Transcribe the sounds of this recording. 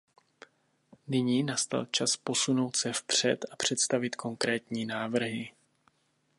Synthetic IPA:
nɪɲiːnast̪a̰lt͡ʃaspo̞suno̞wt̪sɛfpr̝̥ɛt̪apr̝̥ɛt̪st̪avɪt̪kʰo̞ŋkɾɛːt̪ɲiːnaːvr̩ɦɪ

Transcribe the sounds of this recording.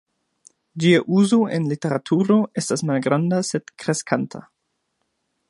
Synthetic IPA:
d͡ʒiaʔuzo̞ʔenlite̞ɾatʰuɾo̞ʔe̞stasmalɡɾandase̞dkɾe̞skʰantʰa̰

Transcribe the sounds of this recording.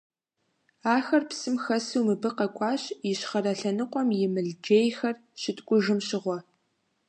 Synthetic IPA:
aːxɐrpsɨmxɐsuwmɨbɨqɐkʷʼɑːɕjɪɕχɐrɐɬɐnɨqʷʼɔmjɪmɨɮd͡ʒeːjxɐr | ɕɪtʼkʷʼʊʒɪmɕɪʁʷɔ

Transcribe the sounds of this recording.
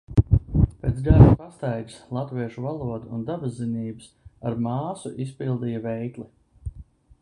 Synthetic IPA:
peːt̪sɡaʒupast̪ajɡslˠat̪viɛʃuvalˠuɔd̪uːnd̪abazːiniːbɨs | aɾmaːsuʔispilˠd̪iːjavɛjklˠi

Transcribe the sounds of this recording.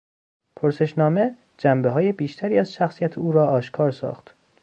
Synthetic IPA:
pʰoɾse̞ʃnɒːme̞ | d͡ʒæmbeɦɒːje̞biːʃt̪ʰæɾiːæzʃæxsijæt̪ʰeuːɾɒːʔɒːʃkʰɒːɾsɒ̰ːxt̪

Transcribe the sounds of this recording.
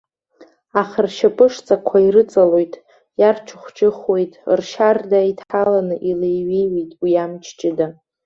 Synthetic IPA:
aχarʃapʼɨʂt͡sʼakʷʰairɨt͡sʼalo̞jtʼ | jart͡ʃʷʰʊχʷt͡ʃʼɪχwe̞jtʼrʃardaitʰħalanɨʔilejɥejɥejtʼwiamt͡ʃʰt͡ʃʼɪda

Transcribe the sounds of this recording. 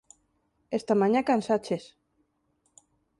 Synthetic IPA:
est̪amaɲãkansat͡ʃes

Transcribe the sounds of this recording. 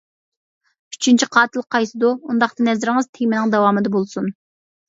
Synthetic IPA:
y̥t͡ʃʰynt͡ʃʰiqʰɑːt̪ʰɨlˠqʰɑjsɨd̪uund̪ɑχt̪ɨnɛzɾɪŋɨz̥t̪ʰemɪnɪŋd̪ɛwɑːmɨd̪ɛbolˠsun

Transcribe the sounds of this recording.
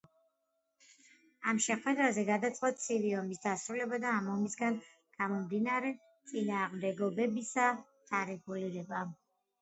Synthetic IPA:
amʃɛχwɛd̪ɾazɛɡad̪at̪sʼqʼwɔt̪sʰiviɔmisd̪asɾulɛbad̪aːmɔmisɡan | ɡ̥amɔmd̪inaɾɛ | t̪sʼinaːʁmd̪ɛɡɔbɛbisad̪̥aɾɛɡuliɾɛba

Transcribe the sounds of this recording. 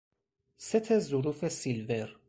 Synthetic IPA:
sæt̪æzuɾufæsilvɛɾ

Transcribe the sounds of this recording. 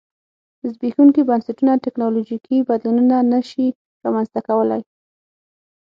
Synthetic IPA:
zbixuŋkibansaʈunatɪknɑlod͡ʒikʰibad̪lununanəʃi | ɾamanzt̪akawəla̰j

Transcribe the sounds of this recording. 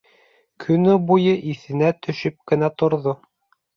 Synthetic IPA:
kʰɵ̆nɵbujɤʔiθɘ̆næt̪ɵ̆ʃɘp̚kɘ̆næt̪ŏɾðo

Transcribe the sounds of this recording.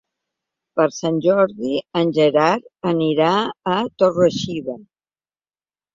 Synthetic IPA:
pəɾsanʲʒɔɾðiənʲʒeɾaɾəniɾaːt̪orəʃiβə

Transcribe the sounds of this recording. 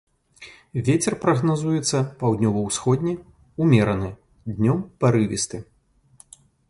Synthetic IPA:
vʲet͡sʲɛrpɾɐɣnazujɛt̪sːɐpawd̪ʲnʲɔvɐwsxɔd̪ʲnʲɛ | umʲɛɾɐnɨ | d̪ʲnʲɔmpɐɾɨvʲḭst̪ɨ

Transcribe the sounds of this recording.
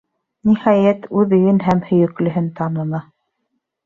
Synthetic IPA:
nihɑjæt̪ʉðɘ̆ɡɘnɦæmhɵ̆jɵ̆klɵ̆ɦɘnt̪ɑnɤ̆nɑ

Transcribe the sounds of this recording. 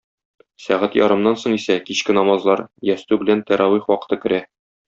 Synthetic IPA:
sæʁæt̪jɒ̰ɾɤ̆mnɑnsoɴisækiɕkɘnɒmɑzlˠɑɾjæst̪ʉbɘ̆lænt̪æɾʔɑwiχwɒqɤ̥̆t̪ɤkɘ̆ɾæ

